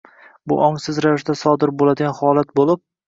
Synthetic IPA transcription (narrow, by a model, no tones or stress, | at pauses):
bʊ̰ʔɒŋsɪzɾavɪʃtd̪asɒd̪ɪɾbolad̪ɪɡʲanhɒlˠat̪̚bolɪp̚